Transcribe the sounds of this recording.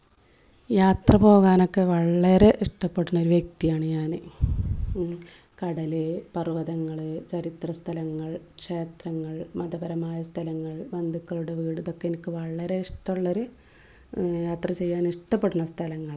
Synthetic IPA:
jaːt̪rɐpo̞ːɣaːno̞kːe̞ʋɐɭːɐɾe̞ʔiʂʈɐpːeɽunːɐo̞ɾuʋjek̚t̪ijaːɳɨɲaːnɨ | kɐɽɐlɨpɐrɨʋɐðɐŋːɐɭɨt͡ɕɐɾit̪rɐst̪ʰɐlɐŋːɐɭkʂeːt̪rɐŋːɐɭmɐðɐbɐɾɐmaːjɐst̪ʰɐlɐŋːɐɭʋɐnd̪ʱukːɐɭuɽeʋiːɽuðo̞kːeenikʲːɨʋɐɭːɐɾe̞iʂʈɐuɭːo̞ɾu | jaːt̪rɐt͡ɕe̞jːaːniʂʈɐpːeɽunːɐst̪ʰɐlɐŋːɐɭ

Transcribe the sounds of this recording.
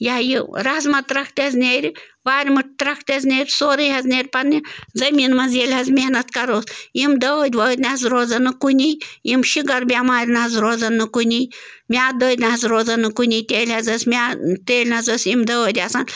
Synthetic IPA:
jajiɾɐɐzmɐt̪ɾɐkʰt̪ʲɐznʲeːɾʲiʋaːɾʲmɐʈ̚t̪ɾɐkʰt̪ʲɐznʲeːɾʲsoːɾɨɦɐzneɾʲpɐnːizɐmʲiːnmɐzjelʲɦɐzmʲenɐt̪kɐɾoːsjimd̪ɐʋəd̪ʲʋəːɾʲnɐɐzɾoːd͡zɐnːɨkunʲijjimʃiɡɐɾbʲamaːɾʲnɐɐzɾoːd͡zɐnːɨkunʲij | mʲaːd̪əːɾʲnɐɦɐzɾoːzɐnːɨkunʲit̪ʲeːlʲɦɐzɐsʲmʲaːt̪eːlʲnɐzəsimd̪ɐʋəːd̪ʲasan

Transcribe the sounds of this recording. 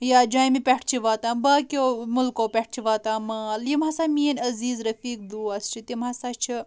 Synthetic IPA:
jaːd͡ʒãːjmipʲɛʈʰt͡ʃʰiʋaːt̪ãːnbaːkʲoːmʊlkoːpʲɛʈ̚ʰt͡ʃʰiʋaːt̪aːmɐljimɦɐsaːmiːɐnʲɐziːzɾɐfiːk̚d̪uːɐst͡ʃʰit̪imɦɐsaːt͡ʃʰi

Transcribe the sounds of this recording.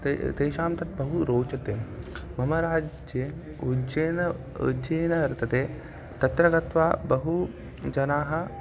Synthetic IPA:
t̪eːʃaːmt̪ɐt̪̚bɐɦuɾoːt͡ʃɐt̪eːmɐmɐɾaːd͡ʒje | ud͡ʒeːnɐ | ṵd͡ʒeːnɐɐɾt̪ʰɐt̪eː | t̪ɐt̪ɾɐɡɐt̪ʋaːbɐɦu | d͡ʒɐnaːɦɐ̆

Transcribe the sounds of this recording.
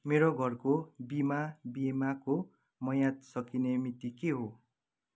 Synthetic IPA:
meɾoɡʱʌrkobimabiemako | mʌjad̪sʌkinemit̪ikeɦo

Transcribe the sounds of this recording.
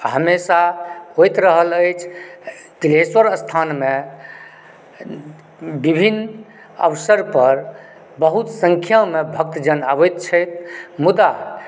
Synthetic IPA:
ɦəmesaɦojt̪ɾəɦələjt͡ʃʰt̪ileswəɾəst̪ʰanme | bibʱin | ə̰ʋsəɾpəɾ | bəɦut̪sə̃ŋkʰjamebʱək̚t̪d͡ʒənabəjt̪t͡ʃʰəjt̪ʰmud̪a

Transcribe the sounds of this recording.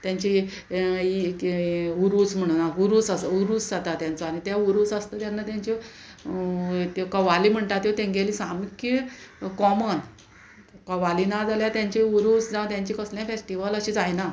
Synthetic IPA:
t̪jaɲt͡ɕi | i | uɾut͡sm̤əɽ̃unauɾuːt͡sasuɾut͡sd͡zat̪at̪jãnt͡sɔañit̪jauɾut͡səst̪ət̪janːat̪jaɲt͡ɕi | kəʋaliːm̤əɳʈ̪at̪jot̪ẽŋɡelisamkikɔmən | kəʋalinad͡zaljat̪jãɲt͡ɕiuɾut͡sd͡zãt̪jãɲt͡ɕikəsljãfesʈiʋələɕid͡zajna

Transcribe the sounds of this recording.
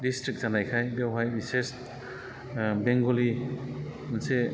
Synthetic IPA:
distɾik̚zanajkʰajdewɦajɾises | beŋɡoli | mɐnse

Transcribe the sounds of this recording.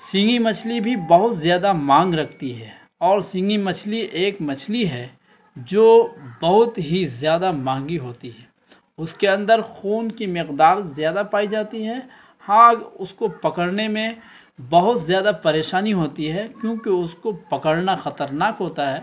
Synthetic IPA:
sɪ̃ŋɡimɐt͡ʃʰlibʱibɐɦʊt̪zjaːd̪amãːŋɡɾɐkʰt̪iɦɛː | ɔːɾsɪ̃ŋɡimɐt͡ʃʰliʔeːkmɐt͡ʃʰliɦɛː | d͡ʒoːbɐɦʊt̪ɦizjaːd̪amãːŋɡiɦoːt̪iɦɛː | ʊskeɐ̃nd̪əɾxuːnkimɪqd̪aːɾzjaːd̪apaːid͡ʒaːt̪iɦɛ | hãʊskopɐkəɽnemẽ | bɐɦʊt̪zjaːd̪apɐɾeːʃaːniɦoːt̪iɦɛkjõːkeʊskopɐkəɽnaxɐt̪əɾnaːkɦoːt̪aɦɛː

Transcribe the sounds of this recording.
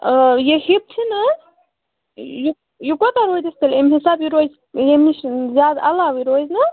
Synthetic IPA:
jehib̚t̪ʰinɐ | ju | jukot̪aɾoːjd̪isk̪ɐlemɦisaːbjiɾoz | jemiʃzʲjaːd̪ɐ̰laːʋiɾojznɐ

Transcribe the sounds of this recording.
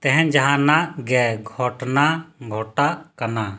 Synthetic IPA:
t̪ɛɦɛ̃nd͡ʒaɦãnaʔɡɛɡʱɔʈnaɡʱɔʈaʔkana

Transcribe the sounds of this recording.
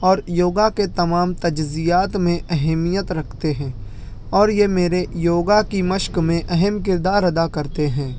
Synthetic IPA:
ɔːɾjoːɡaket̪ɐmaːmt̪ɐd͡ʒzijaːt̪mẽʔɛɦɛmijət̪ɾɐkʰt̪eɦɛ̃ː | ɔːɾjemeːɾejoːɡakiməʃkmẽʔɛɦɛmkɪɾd̪aːɾɐd̪akɐɾt̪eɦɛ̃ː

